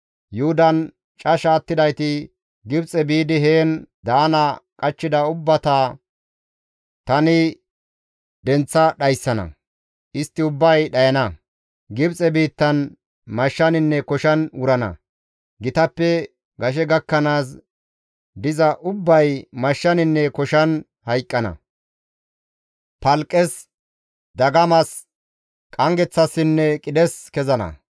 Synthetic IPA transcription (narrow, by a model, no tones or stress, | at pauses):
jʊhʊd̪ɐn | t͡ʃʼɐʃaːt̪ːɪd̪ɐjt̪ɪ | ɡɪbt͡sʼɛbiːd̪ɪɦeːnd̪aːnɐkʼɐt͡ʃːɪd̪ɐʊbːɐt̪aː | t̪ɐnɪ | d̪ɛnt͡sːɐɗɐjsːɐnɐ̰ | ʔɪst̪ːɪʊbːɐjɗɐjɐnɐ | ɡɪbt͡sʼɛbiːt̪ːɐn | mɐʃːɐnɪnːɛkɔʃɐnwʊɾɐnɐ̰ | ɡɪt̪ɐpːɛ | ɡɐʃ̬ɛɡɐkːɐnaːs̬ | d̪ɪzɐʔʊbːɐjmɐʃːɐnɪnːɛkɔʃɐn | hɐjkʼːɐnɐ̰ | pɐlkʼːɛs | d̪ɐɡɐmɐs | kʼɐŋɡɛt͡sːɐsːɪnːɛkʼɪd̪ɛskɛzɐnɐ̰